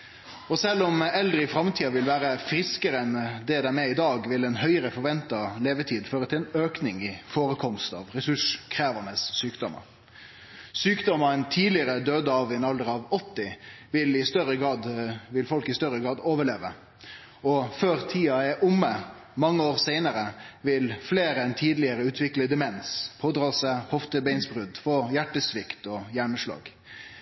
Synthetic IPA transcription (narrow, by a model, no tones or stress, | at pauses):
ɔsɛlːɔmɛld̪ɾəɪfɾɑmt̪ʰiːɑʋɪlʋæːɾəfɾɪskəɾəɛnd̪ɛd̪æmɛɪd̪ɑːɡʋɪlɛnɦœʏəɾəfɔɾʋɛnt̪ɑleːʋət̪ʰiːd̪føːɾət̪ʰɪlɛnøːknɪŋɪfoːɾəkʰɔmst̪ɑ̰ːʋɾɛsʉʂkʰɾæːʋənəsːyːkd̪ɔmə̰ɾ | syːkd̪ɔməɾɛnt̪ʰiːlɪəɾəd̪øːd̪əɑʋɪɛnɑld̪əʁɑʋɔt̪ːɪʋɪlɪst̪œɾəɡɑːd̪ʋɪlfɔlkɪst̪œɾəɡʁɑːd̪oːʋəɭeːʋə̰ | ɔføːɾt̪ʰiːɑɛʔʊmːə | mɑŋːəoːʁseɪnəɾəʋɪlfleːɾəɛnt̪ʰiːd̪lɪəɾəʉːt̪ʰʋɪkləd̪ɛmɛnspʰoːd̪ʁɑːsəhɔft̪əbɛɪnsbʁʉd̪foːjæʈːəsʋɪkt̪ɔjæːɳəʂɭɑ̰ːɡ̥